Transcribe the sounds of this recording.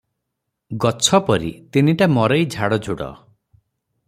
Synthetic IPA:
ɡɔt͡ʃʰɔpɔɾḭt̪in̤iʈamɔɾejd͡ʒʱaɽɔd͡ʒʱuɽɔ̰

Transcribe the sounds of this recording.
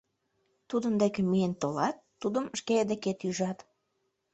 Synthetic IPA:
t̪ud̪ənd̪ekemijent̪olɑt̪ːud̪əmʃkeed̪eket̪yʒɑt̪

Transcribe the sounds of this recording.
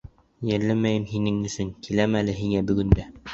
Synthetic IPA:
jæɾlæmæjɘmhinɘŋɵ̆sɵŋkʰilæmælɘɦiŋæbɵ̆ɡɵ̆nd̪æ

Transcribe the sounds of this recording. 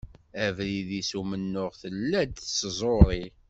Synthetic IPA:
ævɾiðisumənːʊʁθəlːæd̪θszˤoɾˤi

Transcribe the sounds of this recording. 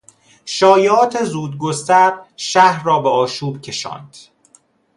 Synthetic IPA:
ʃɒːjeɒːt̪ʰe̞zuːd̪̚ɡost̪æɾʃæhɾrɒːbeɒːʃuːbcʰe̞ʃɒ̰ːnd̪̥

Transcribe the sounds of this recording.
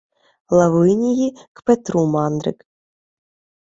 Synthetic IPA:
lˠavɨnʲijikpɛt̪ɾumɑnd̪ɾɨ̰k

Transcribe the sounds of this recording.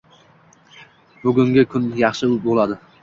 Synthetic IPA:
bʊɡʲʊŋɡʲɪkʰʊnjɑχʃɪʊbolˠad̪ɪ

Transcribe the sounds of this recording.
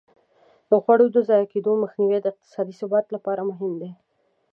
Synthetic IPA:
d̪əɣwaɽod̪əzɑjɑked̪oməxniwed̪əɪq̚t̪ɪ̥sɑd̪isʊbɑt̪lapɑɾamʊɦɪmd̪e

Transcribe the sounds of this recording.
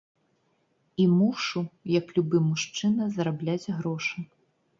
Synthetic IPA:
imuʂujɐklʲubɨmuʂt͡ʂɨnɐzɐɾablʲad͡zʲɣɾɔʂɨ

